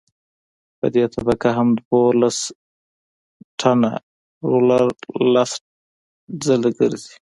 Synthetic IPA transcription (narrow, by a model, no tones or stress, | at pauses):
pə̰d̪et̪ʰabakaɦamd̪wolas | ʈʰana̰ | ɾolaɾlas | d͡zəlɡəɾzi̥